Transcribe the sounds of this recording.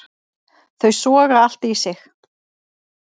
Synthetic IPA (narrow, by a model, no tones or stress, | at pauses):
θœɥsvɔːɣaal̥t̪ːsɪx